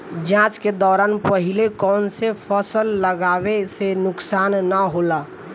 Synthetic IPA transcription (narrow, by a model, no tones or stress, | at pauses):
d͡ʒãːt͡ʃked̪ɔːɾaːnpəɦilekɔːnsepʰəsəlːəɡaːʋesenʊksaːnːəɦola